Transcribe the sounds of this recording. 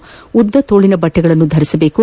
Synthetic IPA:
ud̪ːɐt̪o̞ːɭinɐbɐʈːɛɡɐɭɐnːud̪ʱɐɾisɐbe̞ːku

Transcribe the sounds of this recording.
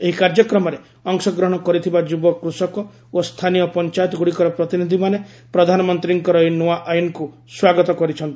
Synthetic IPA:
eɦikaɾd͡ʒɔkɾɔmɔɾe | ɔŋsɔɡɾɔɦɔɽ̃ɔkɔɾit̪ʰibad͡ʒubɔkɾusɔkɔ | ost̪ʰanijɔpɔnt͡ʃajt̪ɔɡuɽikɔɾɔpɾɔt̪inid̪ʱimane | pɾɔd̪ʱanɔmɔnt̪ɾiŋkɔɾɔinoaʔajunku | swaɡɔt̪ɔkɔɾit͡ʃʰɔnt̪i

